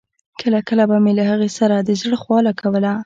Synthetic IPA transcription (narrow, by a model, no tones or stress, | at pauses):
kəlakəlabamelahaɣesaɾad̪əzɽəxwɑlakawəla